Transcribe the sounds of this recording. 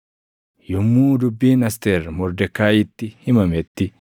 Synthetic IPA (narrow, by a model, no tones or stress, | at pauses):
jɔmːuːd̪ʊbːiːnɐst̪eɾmɔɾd̪ɛkːaːjɪt̪ːɪhɪmɐmɛt̪ːɪ